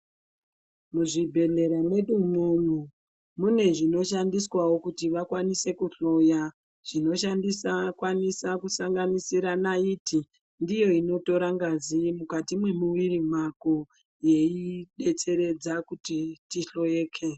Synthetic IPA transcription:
muʐibʱe̞ɮe̞ɾane̞ɗumonu | mune̞ʐino̞ʃandiswawo̞kutiʋakwanise̞kuɬo̞ja | ʐ̥ino̞ʃandisakwanisakusaŋɡanisiɾanaiːti | ndijo̞ino̞to̞ɾaŋɡazimukatimwe̞muwirim̤ako | je̞iɗe̞t͡se̞ɾe̞d͡zakutitiɬo̞eːkʰe̞

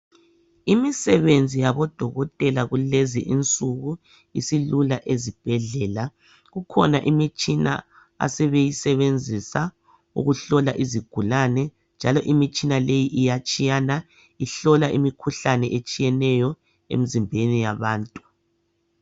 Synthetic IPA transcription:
imisɛβend͡zʱijaβɔd̥ʱɔɣɔtʼɛlaɣulezḭʔint͡sʼuɣu | isilulaʔezib̥ʱɛɮɛla | ɣukʰɔnaʔimit͡ʃʼina̰ | a̰sɛβejisɛβend͡zʱisa | ṵɣuɬɔlaʔiziɡ̥ʱulanɛ | nd͡ʒʱalɔʔimit͡ʃʼinalejiʔijat͡ʃʼijana | iɬɔlaʔimikʰuɬanɛʔet͡ʃʼijɛnɛjɔ | ḛmizimbʱenijaβaːntʼu̥

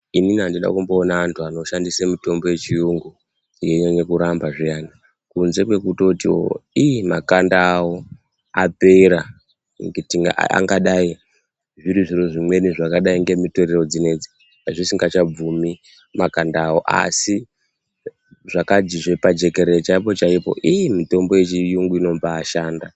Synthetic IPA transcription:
ininiandiɗa̰kumbo̞ːnaantʰuano̞ʃandisemito̞mbo̞je̞t͡ʃijuŋɡu | je̞ɲeɲekuɾambaʐijana | kunze̞kwe̞kuto̞tio̞̰ijimakandaːwo̞ | ape̞iɾa | ŋɡetiŋɡa̰a̰ŋɡaɗai | ʐiɾiʐiro̞ʐimwe̞niʐakaɗaiŋɡe̞mitoɾero̞d͡zine̞d͡zi | aʐisiŋɡat͡ʃab͡vumi | makandaːwo̞ʔa̰si | ʐakad͡ʒiʐepad͡ʒe̞ke̞ɾet͡ʃaipo̞t͡ʃaipo̞̰ʔijmito̞mbo̞et͡ʃijuŋɡuino̞mbaːʃaːnda

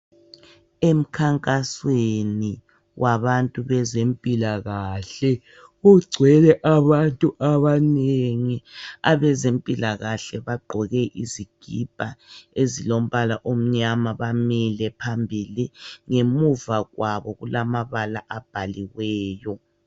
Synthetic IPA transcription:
em̩kʰaŋkʼasweni | wʔaβantʼuβɛzempʼilaɣaɬɛ | ɣuɡ͡ǀʱwɛlɛʔaβantʼuʔaβaneŋiaβɛzempʼilaɣaɬɛβaɡ͡ǃʱɔɣɛʔiziɡ̥ʱib̥ʱaezilom̩βalaʔom̩ɲamaβamilɛpʰambʱiliŋemuvaɣwaβɔɣulamaβala̰ʔab̥ʱaliwɛːjɔ

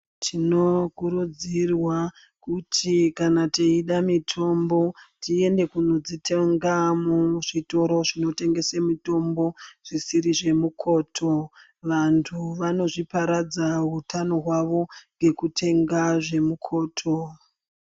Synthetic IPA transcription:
tʰino̞kuɾud͡zirwa | kutʰikanateiɗamitʰo̞mbo̞tie̞nde̞kuno̞d͡zitʰe̞ŋɡamuʐito̞ɾo̞ʐino̞te̞ŋɡe̞semito̞mbo̞ʐ̥isiɾiʐe̞mukʰo̞ːtʰo̞ | ʋantʰuʋano̞ʐipaɾad͡zaɦutʰano̞ɦwaʋo̞ŋɡe̞kutʰe̞ŋɡaʐe̞mukʰo̞ːtʰo̞

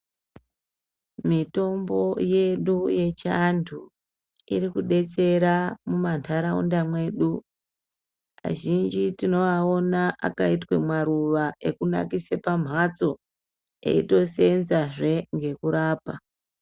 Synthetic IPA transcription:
mito̞mbo̞je̞ɗuje̞t͡ʃantʰu | ḭɾikuɗe̞t͡se̞ɾamumantʰaɾaṵndamwe̞ːɗu | a̰ʒind͡ʒitino̞ao̞naʔa̰kaitwe̞mwaɾuʋaʔe̞kuna̰kisepam̤ʱat͡so̞ | e̞̰ḭto̞se̞nzaʐe̞ŋɡe̞kuɾaːpa

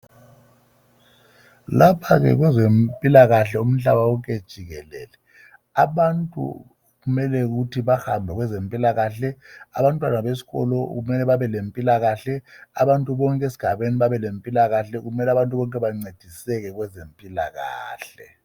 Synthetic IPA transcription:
lapʰaɣɛ̰ɣwɛzempʼilaɣaɬɛum̩ɬaβaukʼed̥ʒ̥ʱiɣɛlɛ̰ːlɛ | aβantʼṵ | ɣumɛlɛɣutʰiβaxambʱɛɣwɛzempʼilaɣaɬɛaβantʼwanaβesi̥ɣɔ̰lɔɣumɛlɛβaβɛlempʼilaɣaɬɛa̰βantʼuβɔŋkʼesi̥ɡ̥ʱaβeniβaβɛlempʼilaɣaɬɛɣumɛlɛaβantʼuβɔŋkʼɛβaŋ͡ǀed̥ʱisɛɣɛɣwɛzempʼila̰ɣa̰ːɬɛ

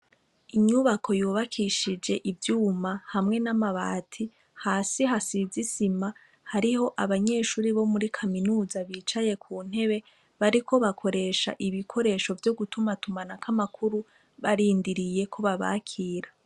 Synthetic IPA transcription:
iɲuβakʰo̞juːβakʰiʃid͡ʒe̞ʔivjuːmahamŋe̞namaβa̰ːtʰi | haːsiɦasizisima | haɾiho̞ʔaβaɲe̞ːʃuːɾiβo̞muɾikʰaminuːzaβiːt͡ʃaje̞kʰuːn̥he̞βe̞ | βaɾikʰo̞βakʰo̞ɾe̞ːʃa̰ʔiβikʰo̞ɾe̞ːʃo̞vjo̞ɡutumatumanakamakʰuɾu | βaɾiːndiɾije̞kʰo̞βaβa̰ːkʰiːɾa

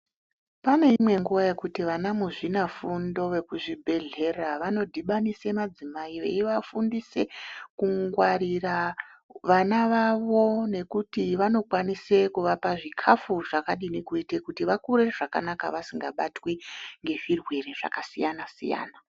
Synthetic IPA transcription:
pane̞imwe̞ŋɡuʋaje̞kutiʋanamuʐinafundo̞ʋe̞kuʐibʱe̞ɮe̞raʋano̞dʱiɓanisemad͡zimaiʋḛiʋafundise̞kuŋɡwaɾiraʋanaʋaʋo̞ne̞kutiʋano̞kwanise̞kuʋapaʐikʰafuʐakaɗinekuitekutiʋakuɾeʐ̥aka̰naka̰ʋasiŋɡaɓatweŋɡe̞ʐirwe̞reʐ̥a̰kasijanasḭja̰ːna

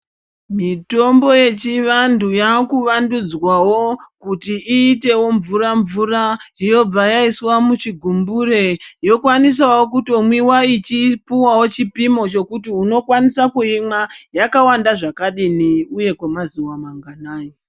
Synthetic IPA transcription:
mito̞mbo̞je̞t͡ʃiʋandujakuʋandud͡zwawo̞kutiiːte̞wo̞ɱvuraɱvuraijo̞b͡vajaiswamut͡ʃiɡʱumbure̞jo̞kwanis̬awokutomwiwait͡ʃipuwawo̞t͡ʃipimo̞t͡ʃo̞kutiuno̞kwanisakuimajakawandaʐakaɗiniuje̞kwamazuwamaŋɡanaːji

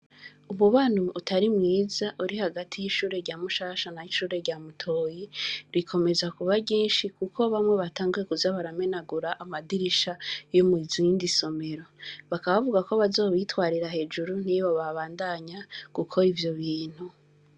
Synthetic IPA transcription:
umuβan̥huʔːtʰaɾimŋiːzaʔuɾihaɡatʰijiʃuːɾe̞ɾɟaːmuʃaːʃanajiʃuːɾe̞ɾɟaːmutʰo̞ːjiɾikʰo̞me̞zakuβaɟiːnʃikukʰo̞βamŋe̞βataːŋɡuje̞kuzaβaɾame̞naɡuɾaʔamadiɾiʃajomuizindiso̞me̞ɾo̞βakaβavuɡako̞βazo̞ːβitwaːɾiɾahe̞d͡ʒuɾun̥iβoβaβaːndaɲakukʰo̞ivjo̞βiːn̥hu

